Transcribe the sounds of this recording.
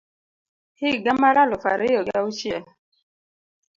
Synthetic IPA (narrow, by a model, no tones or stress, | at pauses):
hɪɡamaɾalɔfa̰ɾɪjɔɡaut͡ʃjɛ